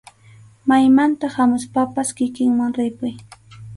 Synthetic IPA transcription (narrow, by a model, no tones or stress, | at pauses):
majmant̪aχhamʊspapaskɪkɪŋmaŋɾɪpʊj